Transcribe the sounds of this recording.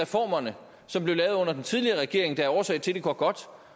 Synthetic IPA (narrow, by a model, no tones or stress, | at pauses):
ɛfɒ̰ːmɐnə | sɒ̽mb̥lelɛːʊð̞̩ˠɔ̽nɐd̥ent͡sʰið̞ˠliɐʁɛɡ̥e̝ɐ̰e̝ŋd̥ɑ̈æɐɒːsɛ̰ɪ̰t͡sʰe̝d̥eɡøɐɡ̥ɒ̽d̥